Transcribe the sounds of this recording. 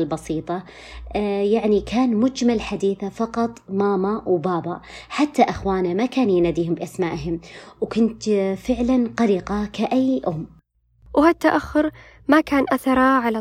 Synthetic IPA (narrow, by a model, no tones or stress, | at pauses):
lbɑsiːt̪ˤɑ | jaʕnikʰaːnmʊd͡ʒmalħad̪iːθafɑqɑt̪ˤmaːmawbɑːbɑħat̪ːaʔɪxwaːnamakaːnjɪnaːd̪iːhʊmbɪʔasmaːʔɦɪmwkʊnt̪fɪʕlanqɑɾiːqɑkaʔajːʔʊmː | what̪ːaʔaxːʊɾ | makaːnʔaθɑɾˤɑʕala